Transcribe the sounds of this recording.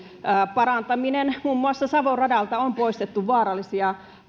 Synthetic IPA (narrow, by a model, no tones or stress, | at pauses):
əːpɑrɑnt̪ɑminenmumːuɑsːɑsɑʋorrɑdɑlt̪ɑompoist̪et̪ːuʋʋɑːɾɑlːˑisiɑ